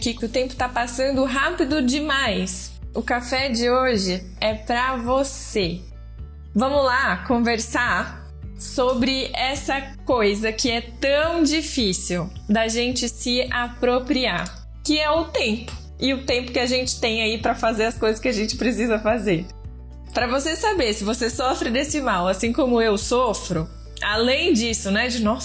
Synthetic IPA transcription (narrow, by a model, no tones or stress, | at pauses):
kɪkɪʊt̪ẽmpʊ̥t̪apasɐ̃nd̪ʊɦapɪd̪ʊd͡ʒɪmajs | ʊkafɛd͡ʒɪoʒɪ | ɛpɾɐvose | vɐ̃mʊlakõveɾsaɾ | sobɾɪɛsɐkojzɐkɪɛt̪ɐ̃w̃d͡ʒifisiw | d̪ɐʒẽnt͡ʃɪsɪapɾopɾiaɾ | kɪɛʊt̪ẽpʊ̥ | ɪʊt̪ẽmpʊ̥kɪaʒẽnt͡ʃɪ̥t̪ẽj̃aipɾɐfazeɾɐskojzɐskɪaʒẽnt͡ʃɪ̥pɾesizɐfazeɾ | pɾɐvosesabeɾsɪvosesɔfɾɪd̪esɪmawasĩkõmʊewsɔfɾʊ | alẽj̃d͡ʒisʊnɛd͡ʒɪnɔs